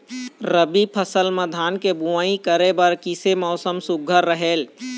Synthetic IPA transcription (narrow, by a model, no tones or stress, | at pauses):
ɾəbipʰəsəlməd̪ʱaːnkebuʋaːĩkəɾebəɾkisemɔʊsəmsʊɡʱəɾːəɦeːl